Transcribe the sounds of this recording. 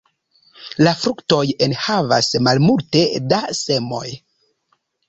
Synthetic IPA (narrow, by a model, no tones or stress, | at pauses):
lafɾukto̞jenhava̰smalmulte̞dase̞mo̞̰j